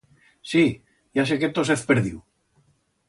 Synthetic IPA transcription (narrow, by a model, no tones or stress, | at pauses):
si | jas̬eket̪oseθpeɾðiw